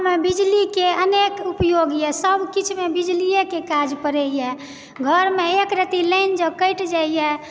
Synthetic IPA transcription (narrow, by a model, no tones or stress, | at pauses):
mebid͡ʒlikeənekupjoɡjɛsəbʱkit͡ʃʰmebid͡ʒliekekad͡ʒpəɾɛijɛ | ɡʱəɾmeekɾət̪iləɪnd͡ʒəkəʈd͡ʒaijɛ